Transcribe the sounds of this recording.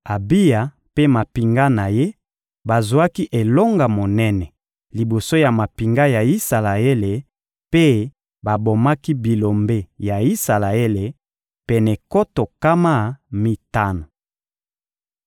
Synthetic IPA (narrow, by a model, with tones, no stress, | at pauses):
a˨bi˦ja˨ | pe˦ma˨pi˨ŋɡa˦na˨je˦ | ba˨zu˨a˦ki˦ʔe˨lo˦ŋɡa˨mo˨nɛ˦nɛ˨ | li˨bo˨so˦ja˨ma˨pi˨ŋɡa˦ja˨i˦sa˨la˨e˦le˨ | pe˦ | ba˨bo˨ma˦ki˦bi˨lo˨mbe˦ja˨i˦sa˨la˨e˦le˨ | pɛ˨nɛ˨ko˦to˨ka˦ma˦˨mi˦ta˦no˨